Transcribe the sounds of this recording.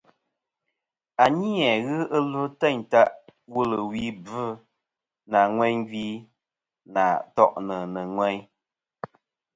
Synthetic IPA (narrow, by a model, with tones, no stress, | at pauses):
a˨ɲi˦ɛ˨ɣɨ˦ə˦lu˦tɛ˦˨ɲta˦ʔwu˦lə˨wi˦bɨ˦ | na˨ŋwɛ˦ɲɡi˦ | na̰˨tɔ̰˦ʔnə˨nə˨ŋwɛ˦ɲ